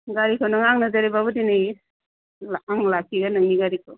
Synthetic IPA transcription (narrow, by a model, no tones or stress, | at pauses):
ɡaɾikʰonaŋaŋnazaɾibabudinɯj | laaŋlakʰiɡanɯŋniɡaɾikʰo